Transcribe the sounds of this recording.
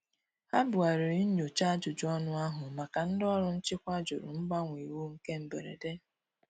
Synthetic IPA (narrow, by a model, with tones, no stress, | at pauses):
a˦bʊ˨a˨ɾʊ˨i˦ɲu˨t͡ʃa˦d͡ʒʊ˨d͡ʒʊ˦ɔ˦nʊ˦a˦ɦʊ˨ma˨ka˨n̩˦dɔ˦ɾʊ˦n̩˦t͡ʃɪ˦kʷa˦d͡ʒʊ˨ɾʊ̰˨m̩˦ɡ͡ba˦ŋʷi˨wu˦ŋ̩˦ke˦m̩˨bḛ˨ɾḛ˨de˦